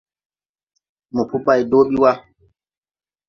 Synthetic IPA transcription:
mɔ˨pu˦pa˨jdoː˦ɓi˦wa˦

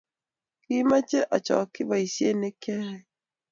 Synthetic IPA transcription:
ki˦ma˦t͡ʃe˦ʔa˨t͡ʃɔ̰˨kɪ˦ba˨i˨sje˦nɪ˦kɛ˦ɾɛ˨

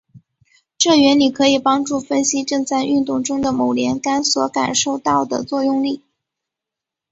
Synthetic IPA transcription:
ʈ͡ʂɤ˥˩ɥɛ˧˥nni˨˩kʰɤ˧˥i˨˩pɑ˥ŋʈ͡ʂu˥˩fə˥nɕi˥ʈ͡ʂɤ˥˧ŋt͡sa˥˧ɪʔy˥˧nt̪ʊ˥˩ŋʈ͡ʂʊ˥ŋd̪ə˨mo˨˩ʊljɛ˧˥nka˥nswɔ˧˥ka̰˨˩nʂo˥˧ʊt̪ɑ˥˩ʊd̪ə̰˩t͡swɔ˥˧jʊ˥˧ŋli˥˩

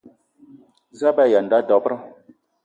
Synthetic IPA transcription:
za˦ba˦˨ja˨n˨da˨˦dɔ˨˦pɾa˦

